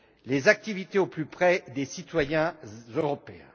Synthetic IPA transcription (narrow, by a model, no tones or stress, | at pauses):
lezak̚t̪ivit̪eoplypχɛd̪esit̪wajɛ̃zøʁɔpeɛ̰̃